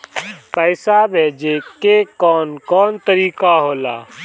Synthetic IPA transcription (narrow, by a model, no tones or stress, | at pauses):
pəːsaːbʱeːd͡ʒeːkeːkɔːnkɔːnt̪əɾiːkaːɦoːla̰ː